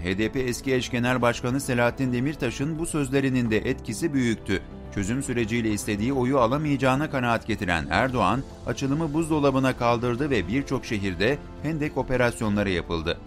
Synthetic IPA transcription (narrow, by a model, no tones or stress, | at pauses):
ɦeːd̪epeːsciɛʃɟe̞nælʲbaʃkanɯse̞lʲaːat̪ʰːind̪e̞miɾt̪ʰaʃɯnbusø̞zlʲe̞ɾinind̪ɛʔɛt̪cʰisibyjyc̚ʲt̪ʰy | t͡ʃʰø̞zymsyɾe̞d͡ʒijlʲɛist̪ʰe̞d̪iːo̞jualˠamɯjad͡ʒaːnakanaat̪ɟet̪ʰiɾæ̰næ̰ɾd̪o̞an | a̰t͡ʃʰɯlˠɯmɯbuzd̪o̞lˠabɯnakʰalˠd̪ɯɾd̪ɯvɛbiɾt͡ʃʰo̞kʃe̞ɦiɾd̪ɛ | hɛnd̪ɛco̞pe̞ɾasjo̞nlˠaɾajapɯlˠd̪ɯ